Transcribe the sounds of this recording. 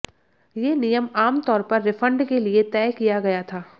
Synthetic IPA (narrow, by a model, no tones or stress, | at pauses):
jeːnijəmaːmt̪ɔːɾpɐɾːɪfə̃ɳɖkeliet̪ɛːkijaɡɐjat̪ʰaː